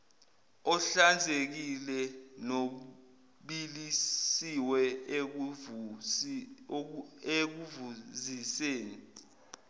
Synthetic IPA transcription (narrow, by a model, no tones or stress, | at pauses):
ɔɬand͡zʱek̬ilɛno | ɓilisiwɛ | ek̬uvuziseːni